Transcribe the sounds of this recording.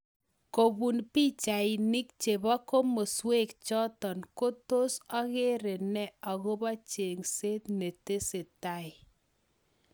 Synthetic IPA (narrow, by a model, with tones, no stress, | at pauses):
ko˨bu˨npi˦t͡ʃa˨ɪ˨nɪ˦k̚t͡ʃe˨ba˦ko˦mo˨swe˦˨k̚t͡ʃɔ˦tɔ˨nko˦to˦sa˦ɣe˦ɾɪ˨nɛ˦a˨ɣo˦ba˦t͡ʃe˨ŋse˦tne˨te˦sɪ˨ta˦ɪ˨